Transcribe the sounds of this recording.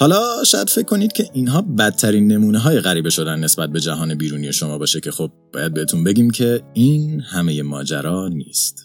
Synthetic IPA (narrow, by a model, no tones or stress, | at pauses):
hɒːlɒːʃɒːjæd̪̥fe̞cʰːo̞niːd̪̚cʰe̞ʔiːnɦɒːbæt̪ʰːæɾiːnːe̞muːneɦɒːje̞ɣæɾiːbe̞ʃo̞d̪ænːe̞sbæt̪̚be̞d͡ʒæɦɒːne̞biːɾuːniːje̞ʃo̞mɒːbɒːʃecʰe̞xob̚bɒ̰ːjæd̪̚beet̪ʰunbe̞ɟiːmcʰe̞iːnhæme̞je̞mɒ̰ːd͡ʒæ̰ɾɒːnḭːst̪